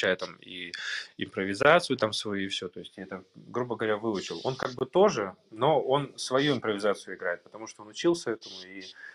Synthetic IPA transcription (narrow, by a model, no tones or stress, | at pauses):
t͡ɕːajət̪amḭɪ̰mpɾəvʲɪzat̪sɨjʊt̪amsvɐjuɪfsʲɵ̞t̪o̞ɪsʲtʲɛt̪əɡɾubəɡəvɐɾʲavɨʊt͡ɕɪlˠo̞nkaɡ̚bɨt̪o̞ʐɨno̞o̞nsvɐjuɪmpɾəvʲɪzat̪sɨjʊɪɡɾajɪt̪̚pə̥t̪ɐmuʂt̪oo̞nʊt͡ɕilˠsʲəɛt̪əmʊi